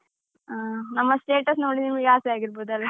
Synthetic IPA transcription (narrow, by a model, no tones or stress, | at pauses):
nɐmːɐsʈeːʈɐs̬noːɽid̪iiɡaːsɛaːɡiɾboːd̪uɐlʋɐ